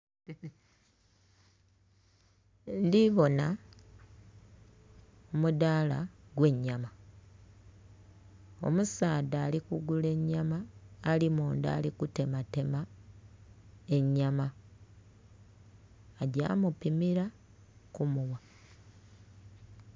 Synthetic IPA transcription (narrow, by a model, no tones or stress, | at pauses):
ndiβo̞na | omudalaɡwe̞ɲːama | o̞̰musaːdaːlikuɡule̞ɲːamaːlimuːnda̰ːlikute̞mate̞ma | e̞ɲːama | ɟa̰ːmupimiɾa | kumuwa